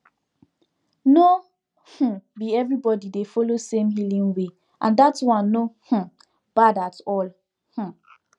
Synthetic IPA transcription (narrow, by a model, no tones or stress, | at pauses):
no | h̩biɛvɹibɔdidefɔlosẽmɦilĩŋwe | ʔã̰ndatwɔ̃nːoh̩ | b̥adatɔl | h̩